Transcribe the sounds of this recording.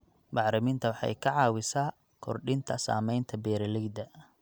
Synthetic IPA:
bɑʕɾɐmɪnt̪ʰɐwɑħɑ̰jkʰɐʕɑːwɪsaː | kʰɔrɖɪnt̪ʰɐsa̰ːmɛjnt̪ʰɐbɛːɾɐlɛɡd̪ɐ

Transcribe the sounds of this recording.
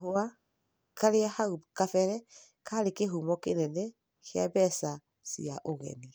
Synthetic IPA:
oa | kaɾeahaukafɛɾɛ | kaɾekeɦumɔkenɛnɛ | keabɛsa | sḭaʔoɣɛ̰ni

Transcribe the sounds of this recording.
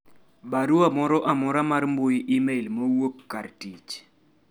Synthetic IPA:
baɾuamɔɾɔʔamɔɾamarmbʊjimeilmowokːartit͡ʃ

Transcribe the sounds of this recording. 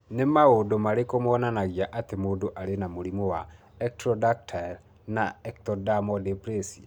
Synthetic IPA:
nemaodomaɾekomɔnanaɣjaʔatemoːdoʔaɾenamoɾimɔwa | ɛk̚tɾɔdak̚tʰal | naɛktɔdamɔdepɾesi

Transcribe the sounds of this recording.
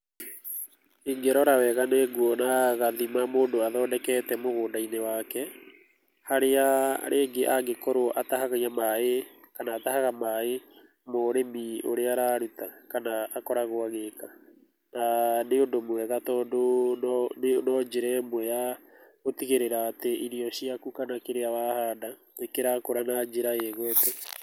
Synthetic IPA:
iŋɡeɾɔɾawɛɣaneɡuɔnaɣaðimamoːndoaðɔːdɛkɛtɛmoɣoːdainewaːkɛ | haɾeaɾʔeːɡeʔaɡekɔɾoʔataɦaɣaiamae | kanaːtaɦaɣamae | moɾemio̰ɾeaɾaɾutakanaːkɔɾaɣoaɣeka | naneodomwɛɣatɔdonɔnenɔd͡ʒeɾɛmwɛja | ɣotiɣeɾeɾaːteʔiɾiɔɕiakukanakeɾeawahada | ekeɾakoɾanad͡ʒeɾaeɣwɛtɛ

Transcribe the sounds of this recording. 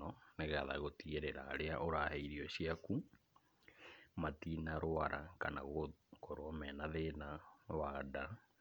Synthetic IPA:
ɔneɣaða̰ɣotieɾeɾa̰ːɾeaʔoɾaːhɛiɾiɔɕiaku | matinaɾoaɾʔa̰kana̰ɣokoɾoɔmɛnaðenawaːda

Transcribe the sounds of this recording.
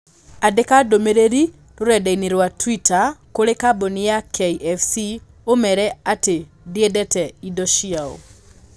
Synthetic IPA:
adekadomeɾeɾi | ɾoɾɛdɛineɾwatwitakoɾekabonijakʰeiʔɛfsi | omɛɾɛate | diedɛtɛidɔʃiao̰

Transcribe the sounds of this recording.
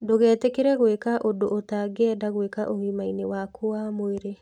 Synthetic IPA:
doɣɛːtekeɾɛɣwekaʔodoʔːtaːɡɛɛdaɣwekaʔoɣimainewaːkʰoamoeɾe

